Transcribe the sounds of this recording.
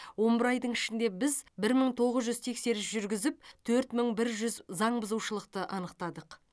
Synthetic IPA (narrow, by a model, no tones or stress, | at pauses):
wo̞mbɪɾɑjd̪əɴɪʃɪnd̪e̞bɪzbɪɾməɴt̪ʰo̞ʁəzʒʏzt̪ʰe̞kse̞ɾɪsʒʏɾɡʲɪzɪp̚t̪ʰɵɾt̪məɴbɪɾʒʏzzɑɴbəzuwʃəlˠəqt̪əʔɑnəqt̪ɑd̪əq